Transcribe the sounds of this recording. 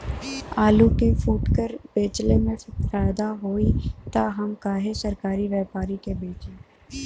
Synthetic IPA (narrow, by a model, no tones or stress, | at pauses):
aːlukefuːʈkəɾbeːt͡ʃlemẽfaːjd̪aɦoːit̪aːɦɐmkaːɦesɐɾkaːɾiʋjɛːpaːɾikebeːt͡ʃẽː